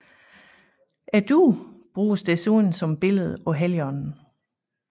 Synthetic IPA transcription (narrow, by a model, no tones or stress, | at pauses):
ʔæd̥ub̥ʁuːsd̥esunsɒ̽mb̥e̝ləð̞̩ˠɒ̽ɦeljɒnn̩